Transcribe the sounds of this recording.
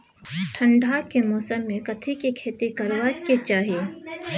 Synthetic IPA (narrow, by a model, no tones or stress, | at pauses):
ʈʰə̃ɳɖʱaːkemoːsəmːẽkɐt̪ʰikikʰeːt̪ikɐɾwaket͡ʃaːɦijeː